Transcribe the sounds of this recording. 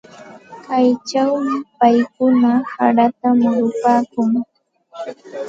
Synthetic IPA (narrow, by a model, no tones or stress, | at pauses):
kajt͡ʃawmɪpajkʊnaha̰ɾat̪amʊɾʊpaːkʊŋ